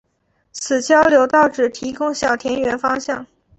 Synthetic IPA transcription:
sʰɹ̩˨˩t͡ɕjɑ˥ʊljo˧˥ʊt̪ɑ˥˩ʊʈ͡ʂɻ̩˨˩t̪ʰi˧˥kʊ˥ŋɕjɑ˨˩ʊt̪ʰjɛ˧˥nɥɛ˧˥nfɑ˥ŋɕjɑ˥˩ŋ

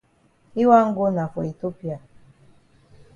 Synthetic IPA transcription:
i˦wa˦ŋ̩˦ɡo˦na˨fo˨i˨to˦pja˨

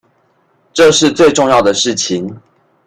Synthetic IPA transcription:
ʈ͡ʂɤ˥˧ʂɻ̩˥˧t͡swe˥˧ɪʈ͡ʂʊ˥˧ŋjɑ˥˨˩ʊd̪ə˩ʂɻ̩˥˩t͡ɕʰi˨˦ŋ

